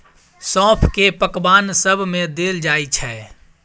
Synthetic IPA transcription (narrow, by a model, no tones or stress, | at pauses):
sɔ̃ːpʰkepəkbansəbʱmẽd̪eld͡ʒajt͡ʃʰɛ